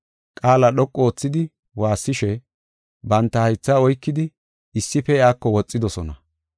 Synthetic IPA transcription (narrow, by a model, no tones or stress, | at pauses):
kʼaːlɐɗɔkʼːo̞ːt͡sːɪd̪ɪ | waːsːɪʃɛ | bɐnt̪ːɐhɐjt͡sːaɔjkːɪd̪ɪ | ɪsːɪpɛɪaːkːɔwɔt͡sʼːɪd̪ɔsɔnɐ